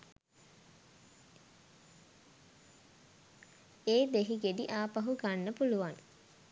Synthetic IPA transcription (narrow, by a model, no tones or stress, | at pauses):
eːd̪eɦiɡeɖiʔaːpaɦuɡanːəpuluʋaŋ